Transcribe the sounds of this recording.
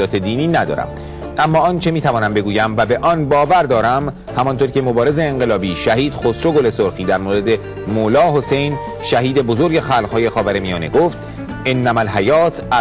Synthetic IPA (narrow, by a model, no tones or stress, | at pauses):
ɒːt̪ʰe̞d̪iːniːnæd̪ɒ̰ːɾæ̰m | ʔæmːɒːɒːnt͡ʃʰe̞miːt̪ʰævɒːnæmbe̞ɡuːjæmvæbe̞ʔɒːnbɒːvæɾd̪ɒːɾæm | hæmɒnt̪oːɾcʰe̞mobɒːɾe̞ze̞ːŋɢe̞lɒːbiːʃæɦiːd̪xosɾo̞ɡole̞soɾxiːd̪æɾmoːɾe̞d̪e̞ | molɒːɦo̞se̞jn | ʃæɦiːd̪e̞bo̞zoɾɟe̞xæːlʁhɒːje̞xɒːvæɾemijɒːne̞ɡoft̪ | enːæmælɦæjɒːt̪ʰæ